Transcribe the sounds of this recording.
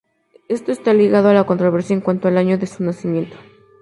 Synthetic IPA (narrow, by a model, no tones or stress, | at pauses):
e̞st̪o̞e̞st̪aliɣaðoalako̞nt̪ɾo̞β̞e̞ɾsjaeŋkwant̪oalaɲo̞ðe̞sunasimje̞nt̪o̥